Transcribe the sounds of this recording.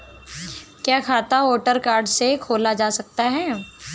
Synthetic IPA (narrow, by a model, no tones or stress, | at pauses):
kjaːkʰaːt̪aʋoːʈəɾkaːɾɖsekʰoːlad͡ʒaːsɐk̚t̪aɦɛː